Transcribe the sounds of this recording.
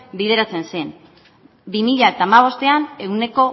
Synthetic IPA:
bið̞e̞ɾat͡se̞nsen | bimiʎae̞t̪aːmaβ̞o̞st̪e̞ane̞ɣwne̞ko̞

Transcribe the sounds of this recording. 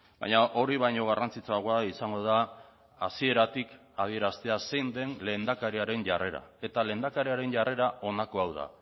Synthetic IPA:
ba̰jɲaʔo̞ɾiβajɲo̞ɣ̞arant͡sit͡soaɣoaisaŋɡo̞ða | asie̞ɾat̪ik | að̞ie̞ɾast̪e̞ase̞jnd̪e̞nle̞nd̪akaɾiaɾe̞nʝare̞ɾa̰e̞t̪ale̞nd̪akaɾiaɾe̞ɲʝare̞ɾaʔo̞nako̞awða̰

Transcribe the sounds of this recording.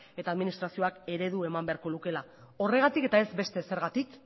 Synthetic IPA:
e̞t̪aːðminist̪ɾasio̞ake̞ɾe̞ðue̞mambe̞aɾko̞luke̞la | o̞re̞ɣ̞at̪ike̞t̪ae̞zbe̞st̪e̞se̞ɾɣat̪ik

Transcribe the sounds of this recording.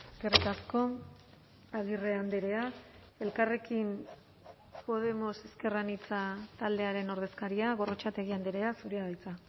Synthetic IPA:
eske̞rit̪asko̞ | aðire̞and̪eɾe̞a | e̞lkare̞kim | po̞ð̞e̞mo̞se̞ske̞ranit͡sat̪ald̪e̞aɾe̞no̞ɾð̞e̞skaɾiaɣ̞o̞ro̞t͡ʃat̪e̞ɣ̞iand̪eɾe̞asuɾiað̞ajt͡sa

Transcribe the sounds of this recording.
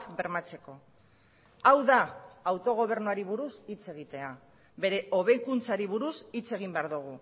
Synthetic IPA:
kbe̞ɾmat͡se̞ko̞ | awðaawt̪o̞ɣ̞o̞β̞e̞ɾnuaɾiβ̞uɾusit͡se̞ɣ̞it̪e̞a | βe̞ɾe̞o̞β̞e̞jkunt͡saɾiβ̞uɾusit͡se̞ɣ̞imbe̞aɾðuɣ̞u

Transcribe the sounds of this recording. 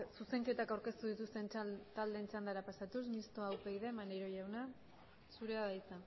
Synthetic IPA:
suse̞ŋke̞t̪akawɾke̞st̪uð̞it̪ust̪e̞nt̪ald̪e̞nt͡sand̪aɾapasat̪us̬mist̪oawpeɣiðe̞maneɾo̞jawna | suɾeaðajt͡sa

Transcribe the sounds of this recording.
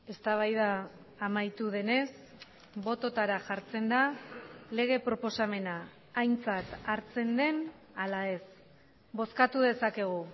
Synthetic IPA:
e̞st̪aβ̞ajðaː | majt̪uð̞e̞ne̞s | bo̞t̪o̞t̪aɾaʝaɾt͡se̞nd̪ale̞ɣ̞e̞pɾo̞po̞same̞naː | jnt͡sat̪aɾt͡se̞nd̪e̞n | alae̞s | bo̞skat̪uðe̞sake̞ɣ̞u

